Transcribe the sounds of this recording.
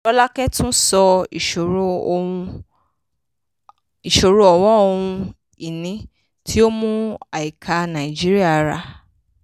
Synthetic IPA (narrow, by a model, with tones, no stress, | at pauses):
ɔ˦la˦kɛ˦tũ˦sɔ˧i˨ʃo˨ɾo˨o˧ũ˧ | i˨ʃo˨ɾo˨˧ɔ˨wɔ˦o˧hũ˧ | i˨nĩ˨˦ | ti˦o˦mũ˦a˨i˨kʰa˧nã˨i˨d͡ʒi˦ɾi˦a˦˨˦ɾa˧